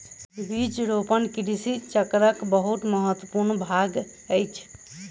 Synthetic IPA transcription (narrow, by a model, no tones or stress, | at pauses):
bit͡ʃɾopənkiɾisit͡ʃəkɾəkbəɦut̪məɦət̪wəpuɾnbʱaɡ | əjt͡ʃʰ